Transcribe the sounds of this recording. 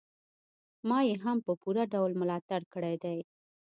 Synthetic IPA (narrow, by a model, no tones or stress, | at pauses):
mɑjeɦampəpuɾaɖawlmʊlɑt̪aɽkəɽajd̪aj